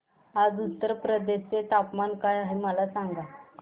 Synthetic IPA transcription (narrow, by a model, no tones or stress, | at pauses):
ad͡zut̪ːəɾpɾəd̪eɕt͡set̪apmankajaɦeməlasaŋɡa